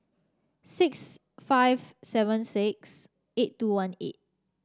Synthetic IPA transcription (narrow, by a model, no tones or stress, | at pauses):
sɪks | faɪvsɛvə̃nsɪk̚s | etːuwãnḛt̚